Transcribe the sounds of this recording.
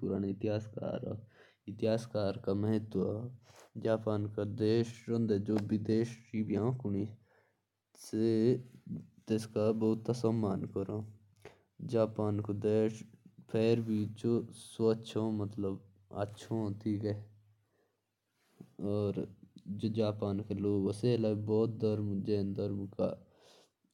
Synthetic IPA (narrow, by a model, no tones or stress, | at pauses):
puɾaːneɪt̪ɪɦaːska̰ːɾa̰ | ɪt̪ɪɦaːskaːɾkaməɦɪt̪w | d͡ʒaːpaːnkad̪eːʃɾə̃nd̪ed͡ʒoːbɪd̪eːʃɾiːbijãkʊni | se | t̪eskabɐɦʊt̪ːasəmːaːnkəɾo | d͡ʒaːpaːnkod̪eːʃpʰɛːɾbiːt͡ʃosoətːʃʰõːmət̪ləb | ə̰tːʃʰõːt̪ʰiːkɛː | ɔːɾd͡ʒoːd͡ʒaːpaːnkeloːɡəseːlaːbɔːt̪̚d̪əɾmd͡ʒẽːnd̪əɾmka̰ː